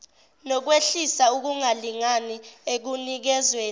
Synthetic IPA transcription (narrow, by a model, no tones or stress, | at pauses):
nɔk̬weɬisauk̬uŋaliŋaniek̬unik̬ɛzweː